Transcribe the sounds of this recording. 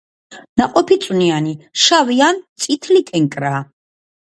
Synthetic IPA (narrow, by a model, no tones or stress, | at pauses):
naqʼɔpʰit̪sʼwnianiʃaviant̪sʼit̪ʰlik̪ʼɛŋkʼɾaː